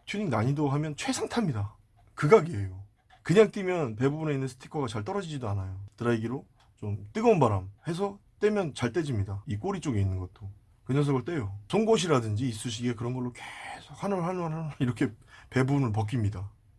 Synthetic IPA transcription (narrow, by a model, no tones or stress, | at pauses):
tʰjuɲiŋnaɲidoɦamjʌnt͡ɕʰwe̞sʰaŋtʰamɲida | kɯɡaɡiejo | kɯɲaŋt͈imjʌnpe̞bubune̞inːɯnsʰɯ̥tʰi̥kʰʌɡat͡ɕaɭt͈ʌɾʌd͡ʑid͡ʑidoanajotɯɾaiɡiɾo | t͡ɕomt͈ɯɡʌnbaɾamhe̞s̬ʰʌt͈e̞mjʌnt͡ɕaɭt͈e̞d͡ʑimɲidaik͈oɾit͡ɕ͈oɡe̞inːɯnɡʌt͈o | kɯɲʌns̬ʰʌɡɯɭt͈e̞jot͡ɕoŋɡoɕ̬ʰiɾadɯnd͡ʑiːs͈uɕ̬ʰiɡekɯɾʌnɡʌɭːokesʰokhanɯɭhananɦaniɾʌkʰe̞pe̞bubunɯɭp̬ʌk̬͈imɲida